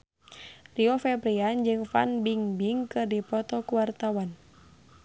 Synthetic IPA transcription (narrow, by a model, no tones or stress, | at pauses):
riɔfɛbɾiand͡ʒɨŋfa̰nbiŋbiŋkɨrdipɔt̪ɔkuwart̪awan